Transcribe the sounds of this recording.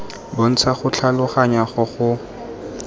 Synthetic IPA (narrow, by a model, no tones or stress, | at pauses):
bon̩t͡sʰaχʊt͡ɬʰalʊχaɲaχʊχʊ